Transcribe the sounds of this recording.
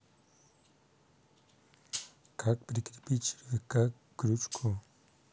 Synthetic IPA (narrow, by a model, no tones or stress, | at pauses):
kʰak̚pɾikɾipit͡ʃiɾvekakːɾut͡ʃkʰo